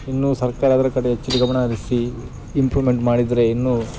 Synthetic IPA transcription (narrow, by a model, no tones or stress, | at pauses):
inːusɐɾkaːɾaːd̪ɐɾɐkɐɽeɦet͡ʃːit̪iɡɐmɐɳad̪isi | impluʋimeɳʈmaːɽid̪ɐɾe̞inːuː